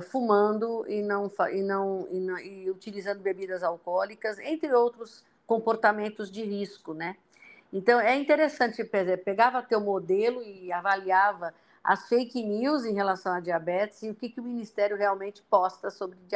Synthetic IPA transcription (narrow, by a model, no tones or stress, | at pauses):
fumɐ̃nd̪ʊɪnɐ̃w̃faʔɪnɐ̃w̃ɪnɐ̃w̃ɪut͡ʃilizɐ̃nd̪ʊbebid̪ɐzawkɔlikɐzḛ̃nt̪ɾɪowt̪ɾʊs | kõpoɾt̪amẽnt̪ʊzd͡ʒɪhiskʊnɛ | ẽnt̪ɐ̃w̃ɛĩnt̪eɾesɐ̃nt͡ʃɪpezɛpeɡavɐt̪ewmod̪elʊɪavaliavɐ | ɐ̰sfejkɪniwzẽj̃ɦelasɐ̃w̃ɐd͡ʒiabɛt͡ʃɪ̥zɪʊkɪkɪʊminist̪ɛɾjʊɦeawmẽnt͡ʃɪ̥pɔst̪ɐsobɾɪd͡ʒi